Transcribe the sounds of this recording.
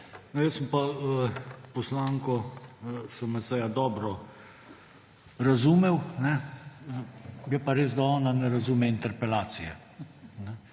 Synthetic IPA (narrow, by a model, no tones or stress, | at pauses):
nɔjəsəmpaəpɔslaːŋkɔ | səməsɛjad̪ɔːbɾɔ | ɾazuːmɛwnɛ | jɛpaɾeːzd̪aɔːnanɛɾazumɛint̪ɛɾpɛlaːt̪sijɛ̰ | nɛ